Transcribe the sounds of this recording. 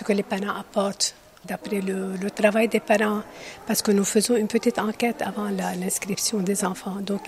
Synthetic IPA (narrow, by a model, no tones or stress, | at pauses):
sə̥kəlepaʁɑ̃ʔapɔʁt̪ | d̪apɾɛlələt̪ʁavajd̪epaʁɑ̃paʁsə̥kənufəzɔ̃ynpət̪it̪ɑ̃kʲɛt̪a̰vɑ̃lalɛ̃skχipsjɔ̃d̪ezɑ̃fɑ̃d̪ɔ̃k